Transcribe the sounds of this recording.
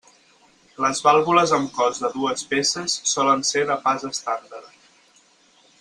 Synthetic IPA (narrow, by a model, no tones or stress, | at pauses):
ləzβalˠβuləzəmkɔzðəðuəspesəsːɔlənseðəpazəst̪and̪əɾ